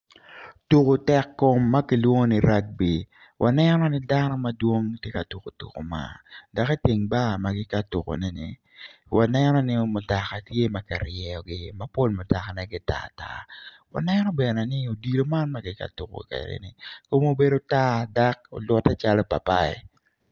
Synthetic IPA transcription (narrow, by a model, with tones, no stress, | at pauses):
tu˨ko˨tɛ˨kːo˨mːa˦kɪ˨lwo˦ŋo˦ni˨ɾa˦k̚bi˨ | wʔa˨nɛnɔ˦nɪ˦da˦nɔ˦ma˦dwo˦ŋtje˦ka˨tu˨ko˨tṵ˨ko̰˨ma̰˨da˨kɛ˦ti˨ŋba˦˨ma˨ɡɪ˦ka˦tu˨ko̰˨nɛ˦nɪ̰˨ | wʔa˨nɛnɔ˦nɪ˦mʊ˨ta˨ka˨tje˦ma˨ka˨ɾjɛ˨ɔ˨ɡɪ˦ma˦po˦lmʊ˨ta˨ka˨nɛ˦ɡɪ˦ta̰˦˨ta̰˦ | wa̰˨nɛ˦nɔ˦bɛ˨nɛ˨nɪ˦o˨di˨lo˦ma˦nma˦ɡɪ˦ka̰˦tu˨ko̰˨kɛ̰˨ɾɛ̰˦nɪ̰˨ko˦mo˦be˦do˦ta˦da˦ko̰˨lwɔ˦ta˦t͡ʃa˦lɔ˦pa̰˨pa˦ɪ̰˨